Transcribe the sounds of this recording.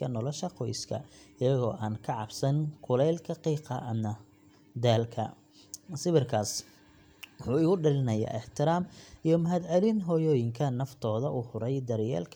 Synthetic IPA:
ɐnɔlɔʃɐqʰɔjskʰɐ̰ɪjɐɣɔ̰ːʔaːnkʰɐʕɑbsɐnkʰʊlɛjlkʰɐqiːqɐ̰ʔɐmɐ | d̪aːlkʰɐ̰ | sɪβɪrkʰaːs | wɑħuːɪːɣʊɖɪlɪnɐja̰ːʔɛħt̪ʰɪɾaːmijɞmɐɦɐd̪ʕɑlɪnɦɔːjɔːjɪŋkʰɐnɐft̪ʰɔːðɐʔuhʊɾɛjd̪ɐɾjɛ̰ːlkʰ

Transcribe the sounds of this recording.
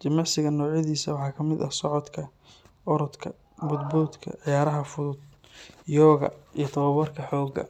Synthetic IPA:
t͡ʃɪmɑʕsɪɣɐnɔːʕjɐðiːsɐwɑħɑːkʰɐmɪd̪ɐ̰sɔʕɔd̪kʰɐ | ɔɾɔd̪kʰɐ̰ | bʊd̪buːd̪kʰɐ̰ʕɪjaːɾɐɦɐfʊðʊd̪ | jɔːɣɐ̰ijɞt̪ʰɐβɐβɔrkʰɐħɔːɡɐ̰

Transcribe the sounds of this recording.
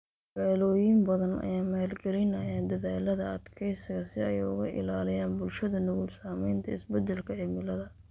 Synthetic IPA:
ɡ̥aːlɔːjɪmbɐðɐnɐ̰jaːmaːlɡɐlɪnɐjaːnd̪ɐðaːlɐðɐɐd̪kʰɛjsɪɣɐsɪɛjʊ̰ɣɐʔɪ̰laːlɪjaːnbʊlʃɐðɐnʊwulsaːmɛjnt̪ʰɐɪsbɛd̪ɛlkʰɐʕɪmɪlɐðɐ

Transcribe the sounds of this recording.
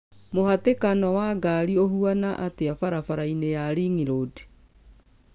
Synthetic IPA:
mohatekanɔwaːɡaɾiohuanaʔateafaɾafaɾainejaɾiŋiɾoːde̥

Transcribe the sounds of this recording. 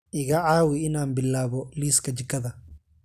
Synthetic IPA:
ʔɪɣɐʕaːwɪɪnaːnbɪlːaːβɔliːskʰɐt͡ʃɪkʰːɐðɐ

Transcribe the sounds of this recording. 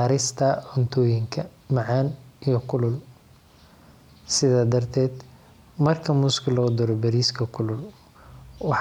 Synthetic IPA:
aɾɪst̪ʰɐʕʊnt̪ʰɔːjɪŋkʰɐ | mɑʕɑːnijɔkʰʊlʊl | sɪðaːd̪ɐrt̪ʰɛːd̪ | mɐrkʰɐmʊskʰɐlɔːd̪ɔɾɔbɐɾiːskʰɐkʰʊlʊl | wɑħ

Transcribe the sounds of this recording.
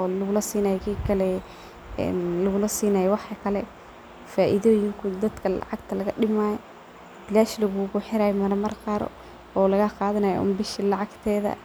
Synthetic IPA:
ɔlɐɣʊlɐsiːnaːjkʰiːkʰɐlɛ | ɛ̰ːnlɐɣʊlɐsiːnaːjɔwɑħkʰɐlɛ | faːʔiðɔːjɪŋkʰʊd̪ɐd̪kʰɐlɑ̰ʕɑɡt̪ʰɐlɐɣɐɖɪmaːj | bɪlaːʃlɐɣuɣʊħɪɾaːjɔmɐɾɐmɐrqɑːɾɔ̰ | ɔːlɐɣɐqɑːðɐnaːjɔ̰ʔʊ̰mbɪʃɐlɑʕɑɡt̪ʰɛːðɐ̰

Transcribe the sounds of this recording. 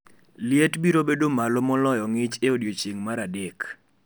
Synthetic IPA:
lɪetbiɾobedomalɔmɔlɔjɔŋɪt͡ʃeodjot͡ʃeŋmaɾadek

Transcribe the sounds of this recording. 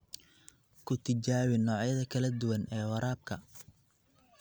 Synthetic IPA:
kʰʊt̪ʰɪt͡ʃaːwɪnɔːʕjɐðɐkʰɐlɐd̪ʊwɐnɛːwɐɾaːb̚kʰɐ

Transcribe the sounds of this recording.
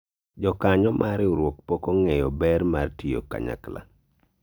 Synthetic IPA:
d͡ʒɔkaɲɔmʔaɾɪoɾwok̚pɔkɔŋɛjɔbɛrmartijo̰ka̰ɲa̰kla̰

